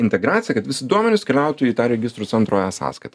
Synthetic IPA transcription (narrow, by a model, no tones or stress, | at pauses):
ɪnʲt̪ʲɛɡɾɑːt̪ʲɪjɛkɐt̪ʋʲɪsʲɪd̪uɔmʲɛnʲʊskʲɛlʲɛˑʊt̪ʊiːt̪ɑːɾʲɛɡʲɪst̪ɾʊsʲɛnt̪ɾoːjɛsɑ̰ːskɐɪt̪ɐ